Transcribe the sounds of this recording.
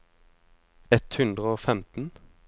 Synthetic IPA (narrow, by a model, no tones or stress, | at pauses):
ɛt̪hʉnd̪ʁəoːfɛmt̪n̩